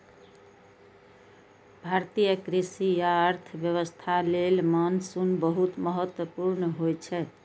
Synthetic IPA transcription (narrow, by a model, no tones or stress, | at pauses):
bʱaɾt̪ijəkɾisijaəɾt̪ʰəbjəβəst̪ʰalelmansunbəɦut̪məɦət̪wəpuɾnəɦojt͡ʃʰɛ